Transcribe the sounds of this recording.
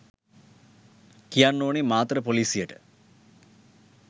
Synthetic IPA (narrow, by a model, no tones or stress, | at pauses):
kijaːnnoːɳimaːt̪rɐpoliːsijɐʈɨ̥